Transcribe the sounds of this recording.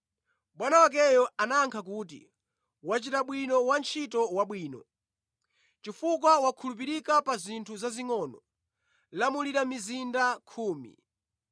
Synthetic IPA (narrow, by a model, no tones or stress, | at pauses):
ɓwanawak̬ɛjɔanaːŋkʰak̬uːt̬ḭ | wat͡ʃitaɓwinɔwant͡ʃʰitɔwaɓwiːnɔ | t͡ʃifukwawakʰulup̬iɾikapazintʰuzaziŋɔːnɔ | lamuliɾamizindakʰuːmḭ